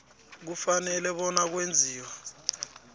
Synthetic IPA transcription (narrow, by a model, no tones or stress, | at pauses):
k̬ufanɛlɛɓɔnak̬wend͡zʱiːwa